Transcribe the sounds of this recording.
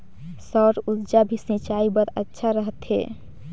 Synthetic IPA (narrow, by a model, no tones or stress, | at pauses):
sɔɾut̪d͡ʒabʱisnĩt͡ʃaibəɾətːʃʰaɾəɦət̪ɦḛ